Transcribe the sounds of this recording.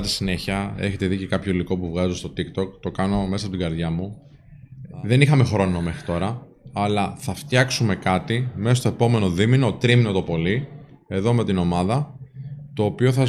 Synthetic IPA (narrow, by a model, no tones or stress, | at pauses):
t̪i̥sine̞çiɐe̞̰çe̞t̪e̞ðice̞kɐpço̞iliko̞puvɣɐzost̪o̞t̪ikt̪o̞kt̪o̞kɐno̞me̞sɐpot̪iɡɐɾðʝɐmu | ðe̞nixɐme̞xɾo̞no̞me̞xɾit̪o̞ɾɐ | ɐlɐθɐft̪jɐksume̞kɐt̪imeost̪o̞e̞po̞me̞noðimino̞t̪ɾimnot̪opo̞li | e̞ðo̞me̞t̪ino̞mɐðɐ | t̪o̞ːpio̞θɐ